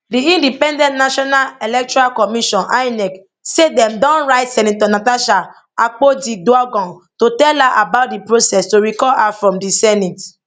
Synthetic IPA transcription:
diĩndipɛ̃ndɛ̃ntnaʃɔnalelɛk̚tɔɾalkɔmiʃɔ̃nʔa̰jnɛk | sedɛ̃mdɔ̃nɾaɪtsɛ̃nĩtɔnataʃa | ak͡podiduaɡɔ̃ntotɛlaʔabaʊt̚dipɹɾosɛstoɾikɔlafɾɔ̃mdisɛnit

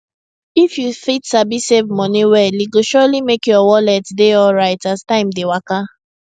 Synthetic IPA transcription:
ifjufitsabisevmɔniwɛliɡoʃɔlimekjɔwɔlɛtdeɔlɹaɪtastãɪ̃mdewaka

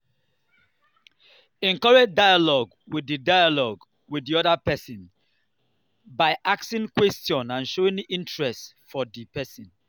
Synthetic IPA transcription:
ɛ̃nkɔɹɛd͡ʒdajalɔɡ | wididajalɔɡ | widiɔdapɛsɔ̃n | baɪʔaksĩŋkwɛstjɔ̃nãnʃoĩnĩntɹɛst | fɔdipɛsĩn

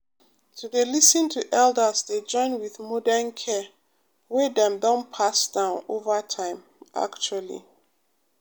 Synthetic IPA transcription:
tʰuðelisə̃ntʰuʔɛldəzded͡ʒɔ̃ɪ̃nwiðmɔdənkʰɛ | wɛdɛ̃mdɔ̃npʰasd̥ãʊ̃novətʰãɪ̃m | a̰kt͡ʃualḭ

